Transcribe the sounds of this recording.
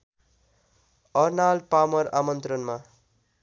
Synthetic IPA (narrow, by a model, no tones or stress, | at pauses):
ʌrnalpamʌɾamʌnt̪rʌnma